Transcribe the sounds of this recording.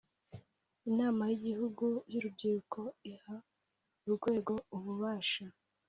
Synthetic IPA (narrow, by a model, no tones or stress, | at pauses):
inaːmajiɟihuɡujuɾubɟiɾukʰo̞iha | uɾuɡwe̞ːɡo̞uβuβaːʃa